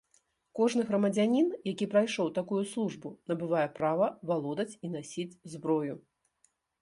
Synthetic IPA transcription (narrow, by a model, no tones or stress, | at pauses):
kɔʐnɨɣɾɐmɐd͡zʲanʲinjakʲipɾajʂɔwt̪akujuslˠuʐbunɐbɨvajɛpɾavɐvalˠɔd̪ɐt͡sʲin̪asʲid͡zʲzbɾɔju